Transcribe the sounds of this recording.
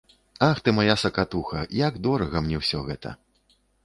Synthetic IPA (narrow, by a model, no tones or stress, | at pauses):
axt̪ɨmajasɐkat̪uxɐjaɡd̪ɔɾɐɣɐmnʲɛwsʲɔɣɛt̪ɐ̰